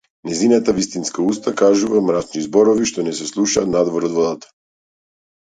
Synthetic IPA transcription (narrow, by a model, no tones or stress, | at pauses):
nɛzinat̪avist̪inskaust̪akaʒuvamɾat͡ʃnizbɔɾɔviʃt̪ɔnɛsɛslˠuʃa̰t̪nad̪vɔɾɔd̪vɔd̪at̪ḁ